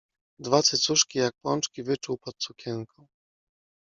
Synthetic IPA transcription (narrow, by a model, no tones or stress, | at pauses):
d̪vat̪sɘt̪suʂkʲijak̚pwɔnt͡ʂkʲivɘt͡ʂuwpɔt̪̚sukʲɛŋkʰɔ̃w̃